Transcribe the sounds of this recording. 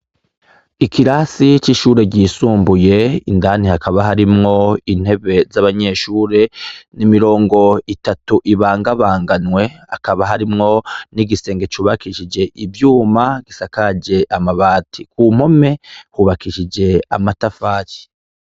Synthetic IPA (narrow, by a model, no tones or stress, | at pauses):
ikʰiɾasit͡ʃiʃuːɾeɾɟiːsuːmbuje̞ḭndaːnihakaβaɦaɾimŋo̞in̥he̞βe̞zaβaɲe̞ʃuːɾe̞nimiɾo̞ːŋɡo̞itatuʔiβaːŋɡaβaːŋɡanwe̞a̰kaβaɦaɾimŋo̞niɡise̞ːŋɡet͡ʃuːβakiʃid͡ʒe̞ʔibjuːmaɡ̥isakad͡ʒe̞ʔamaβaːtʰikuːm̥ho̞me̞huβakiʃid͡ʒe̞a̰matafaːci̥